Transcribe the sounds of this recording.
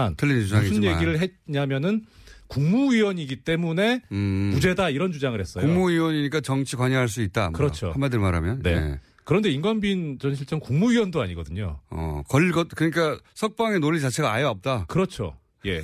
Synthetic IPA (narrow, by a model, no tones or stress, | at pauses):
antʰɯʎːinuasʰuɲjeɡiɾɯɭɦe̞ɲamjʌnɯn | kuŋmuɥiwʌɲiɡit͈e̞mune̞mud͡ʑe̞daiɾʌnt͡ɕud͡ʑaŋɯɭɾhe̞s͈ʌjuŋmuiwʌɲiɲik͈at͡ɕʌŋt͡ɕʰikwaɲiɦaɭs̬͈uit̚t͈akɯɾʌt͡ɕʰo̰hanmadɯɭmaɾa̰mjʌnne̞̰ | kɯɾʌnde̞iŋɡʌnbint͡ɕʌnɕʰiɭt͡ɕ͈ʌŋkuŋmuiwʌndoaɲiɡʌdɯɲo̰ʌ̰kʌʎɡʌtkɯɲik͈asʰʌk̚p͈aŋenoʎːit͡ɕat͡ɕʰe̞ɡaajʌʌp̚t͈akɯɾʌt͡ɕʰo̰ | je̞̰